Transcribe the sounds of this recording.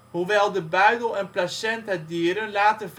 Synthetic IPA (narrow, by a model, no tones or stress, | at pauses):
ɦuʋɛlˠdəbœɥdəlˠɛnplasɛntɦɛt̚dyːɾənlaːtəv